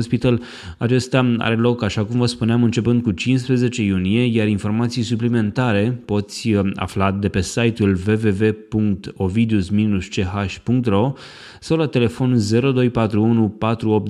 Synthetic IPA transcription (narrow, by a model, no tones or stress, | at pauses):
ospit̪al | at͡ʃe̞st̪aa̰ɾe̞lo̞kaʃakumvəspuneamɨnt͡ʃe̞pɨnd̪̚kut͡ʃinspɾe̞ze̞t͡ʃe̞junije̞jaɾinfo̞rmat̪sijsuplime̞nt̪aɾe̞po̞t̪sʲa̰flad̪e̞pe̞sajt̪ulve̞ve̞ve̞puŋkt̪o̞vid̪usminust͡ʃe̞ɦaʃʲpuŋk̚t̪ro̞ | sawlat̪e̞le̞fo̞nze̞ɾo̞d̪o̞jpat̪ɾuunupat̪ɾuo̞p̚t̪̚